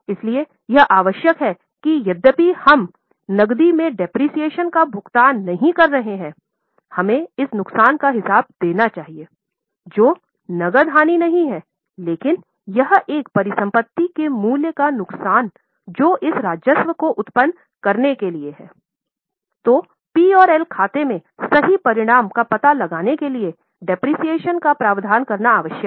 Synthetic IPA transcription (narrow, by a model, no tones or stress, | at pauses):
ɪslie | jɐɦʔaːʋəʃjəkɦɛː | kijɐd̪ːəpihɐm | nɐɡd̪imẽɖɛpɾiːsijeːʃənkabʱʊkt̪aːnːɐɦĩkɐɾːɐɦeɦɛ̃ː | hɐmẽɪsnʊksaːnkaɦɪsaːb̚d̪eːnat͡ʃaːɦieː | d͡ʒoː | nɐɡəɾd̪ʱɦaːninɐɦĩɦɛ̃ː | leːkɪn | jɐɦeːkpɐɾɪsɐ̃mpət̪ːikemuːljəkanʊksaːn | d͡ʒoːʔɪsɾaːd͡ʒjəsʋəkoʔʊt̪pən | kɐɾnekelieɦɛ̰ː | t̪oː | piːɔːɾɛːlkʰaːt̪emẽsɐɦipɐɾɪɽ̃aːmkapɐt̪alɐɡaːnekelie | ɖɪpɾiːsijeːʃənkapɾaːʋd̪ʱaːnkɐɾnaːʋəʃjək